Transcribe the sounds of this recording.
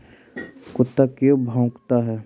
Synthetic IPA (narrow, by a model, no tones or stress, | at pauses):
kʊt̪ːakjobʱãːkt̪aɦɛː